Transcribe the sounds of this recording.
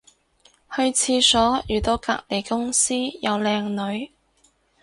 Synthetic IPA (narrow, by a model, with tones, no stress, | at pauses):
hɵ˧ɥt͡sʰiː˧sɔː˨˥jyː˨˩t̪o˧˥wka̰ː˧k̚le˨˩jkʊ˥ŋsiː˥jɐ˨˧wlɛː˧ŋnɵ˨˧˥ɥ